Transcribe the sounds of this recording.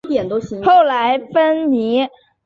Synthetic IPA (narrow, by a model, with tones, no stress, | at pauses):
t̪jɛ˨˩nt̪o˥ʊɕi˧˥ŋxo˥˩ʊla˧˥ɪfə˥nni˧˥